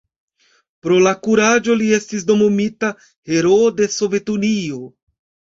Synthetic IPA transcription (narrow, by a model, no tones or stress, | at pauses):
pɾo̞lakuɾad͡ʒo̞lie̞stisdo̞momita | he̞ɾode̞so̞ve̞tunio̞